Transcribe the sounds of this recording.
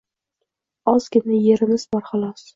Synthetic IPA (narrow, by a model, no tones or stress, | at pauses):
ɒz̥kʲɪnɪjeɾɪmɪzbɒɾχɑlˠɒs